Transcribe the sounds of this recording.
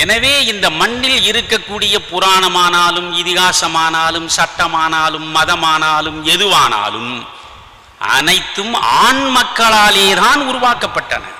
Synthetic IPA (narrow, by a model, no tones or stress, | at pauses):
ɛnɐʋeːɪnd̪ɐmɐɳːɪlɪɾɯkːɐkːuːɽɪjɐpʊɾaːɳɐmaːnaːlɯmɪðɪɣaːsɐmaːnaːlɯmsɐʈːɐmaːnaːlɯmːɐðɐmaːnaːlɯmɛðɯʋaːna̰ːlɯm | ʔɐ̰nɐɪt̪ːɯma̰ːɳmɐkːɐɭaːleːðaːnʊɾʊʋaːkɐpːɐʈːɐ̰nɐ̰